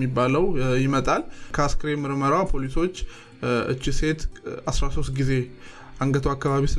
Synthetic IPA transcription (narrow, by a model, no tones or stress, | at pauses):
ibːaləwjɪmət̪ʼalkʰəaskʰɨɾemɨɾməɾapʰo̞liso̞t͡ʃː | ɨ̰t͡ʃːise̞t̪asɾaso̞st̪ɡize̞ | ʔaŋɡət̪ʰəwakːaβaβisɨ